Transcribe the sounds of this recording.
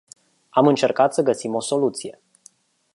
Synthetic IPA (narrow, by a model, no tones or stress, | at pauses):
amɨnt͡ʃe̞rkat̪səɡəsimo̞so̞lut̪sije̞